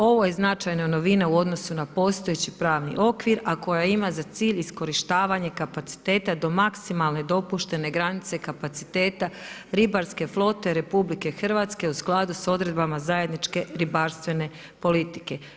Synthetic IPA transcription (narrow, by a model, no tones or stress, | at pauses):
o̞ʋo̞je̞znat͡ʃajnano̞ʋinauo̞d̪no̞sunapo̞ːst̪o̞e̞t͡ɕipɾaːʋnḭʔo̞kʋiɾako̞jaimazat̪siːʎisko̞ɾiʃt̪aːʋaɲe̞kapat̪si̥t̪e̞ːt̪ad̪o̞maksimalˠne̞d̪o̞puʃt̪e̞ne̞ɡɾanit̪se̞kapat̪si̥t̪e̞ːt̪a | ɾibaɾske̞flˠo̞t̪e̞ɾe̞publike̞xr̩ʋat̪ske̞usklˠad̪uso̞d̪ɾe̞d̪bamazaje̞d̪nit͡ʃke̞ɾibaɾst̪ʋe̞ne̞ | po̞lit̪i̥ke̞